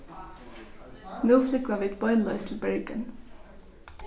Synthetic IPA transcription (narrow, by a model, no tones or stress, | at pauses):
nuːflʏkʋɑʋiːt̪bɔʏnlɑʏst̪ʰl̩bɛɹɡə̰n